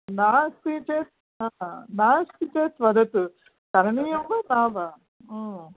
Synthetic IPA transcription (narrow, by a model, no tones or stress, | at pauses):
naːst̪it͡ʃeːs | anaːst̪it͡ʃeːsʋɐd̪ɐt̪u | k̪ɐɾɐnijɐmbɐːnaːʋa